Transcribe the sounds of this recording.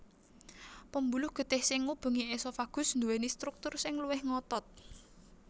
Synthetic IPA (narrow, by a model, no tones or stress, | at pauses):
pəmbulʊhɡ̥ə̤d̪̥ɛ̤hsɪŋːub̥ṳŋiesɔfaɡ̥ʊ̤snd̪uwenist̪ɾuk̚t̪ʊrsɪŋluwɪhŋɔt̪ɔt̪̚